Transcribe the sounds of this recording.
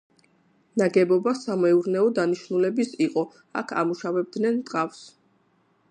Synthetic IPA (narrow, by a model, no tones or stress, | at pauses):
naɡɛbɔbasamɛuɾnɛɔd̪aniʃnulɛbisiqʼɔ | a̰kʰa̰muʃavɛb̚d̪nɛnt̪ʼqʼafs